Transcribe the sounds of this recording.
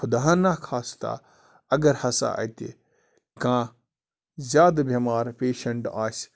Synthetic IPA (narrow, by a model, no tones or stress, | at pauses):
xʰʊd̪aɦãnaːkʰaːst̪a̰ | ɐɡɐɾhɐsa̰ʔɐ̰t̪ʲḭ | kãː | zʲjaːd̪bʱɐmaːɾpeːʃɐɳʈaːsʲ